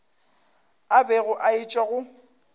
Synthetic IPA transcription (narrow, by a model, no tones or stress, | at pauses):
abɛɣʊʔaɪt͡ʃʼwaɣʊ